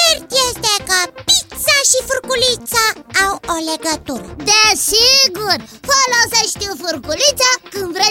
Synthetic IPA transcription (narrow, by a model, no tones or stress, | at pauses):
ert̪jest̪ekəpit̪saʃifurkulit̪saːwoleɡət̪uɾə̰d̪esiɡurfoloseʃt̪ofurkulit̪sakɨnd̪vɾe